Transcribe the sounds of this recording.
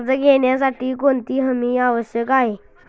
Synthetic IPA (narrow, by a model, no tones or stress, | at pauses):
d͡zəɡeɳjasaʈiːkoɳt̪iːɦəmiːaʋəɕjəkaɦe